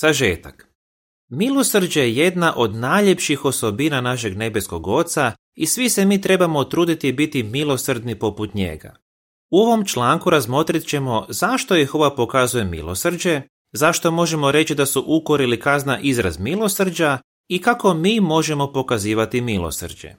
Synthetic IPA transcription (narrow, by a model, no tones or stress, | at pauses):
z̥aʒe̞̰ːt̪ak | milo̞sr̩d͡ʒejeje̞d̪naʔo̞d̪naʎe̞pʃixo̞so̞binanaʃ̬e̞ɡne̞be̞sko̞ɡo̞t̪sa | isʋise̞miːt̪ɾe̞bamo̞t̪ɾuːd̪it̪ibit̪imilo̞srd̪nipo̞put̪ɲe̞̰ɡa̰ | uo̞ʋo̞mt͡ʃlˠaːŋkuɾazmo̞t̪ɾit̪t͡ɕe̞mo̞zaʃt̪o̞jixo̞ʋapo̞kazuje̞mḭlˠo̞̰sr̩d͡ʒe̞ | zaʃt̪o̞mo̞ʒemo̞ɾe̞t͡ɕid̪asuʔuko̞ɾilikaznaʔizɾa̰zmilˠo̞sr̩d͡ʒa | ikako̞miːmo̞ʒe̞mo̞po̞kaziːʋat̪imilo̰sr̩d͡ʒe̞̰